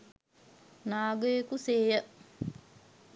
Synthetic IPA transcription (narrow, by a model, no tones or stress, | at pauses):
naːɡəjekuseːjə